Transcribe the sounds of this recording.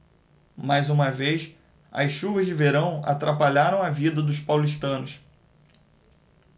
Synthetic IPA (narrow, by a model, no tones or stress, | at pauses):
majzũmɐvejs | ɐ̰sʃuvɐzd͡ʒɪveɾɐ̃w̃a̰t̪ɾapaʎaɾɐ̃w̃ɐvid̪ɐd̪ʊspawliʃ̬t̪ɐ̃nʊs